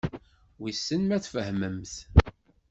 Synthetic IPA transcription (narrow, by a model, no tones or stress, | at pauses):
wisːənmæθfəhməmθ